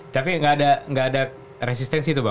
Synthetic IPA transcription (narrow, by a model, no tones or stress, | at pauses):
t̪apiŋɡaːdaŋɡaːda | res̬ist̪ɛnsit̪uba